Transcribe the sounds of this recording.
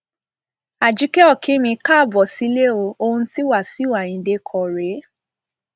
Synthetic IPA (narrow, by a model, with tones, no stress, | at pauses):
a˨d͡ʒi˨˦kɛ˦ɔ˦˨kʰĩ˨˦mĩ˧ka˦˨bɔ˨si˨˦le˦o˧o˧ũ˧ti˦wa˦˨si˨˦wa˨j̃ĩ˨˦de˧kʰɔ˨ɾe˨˦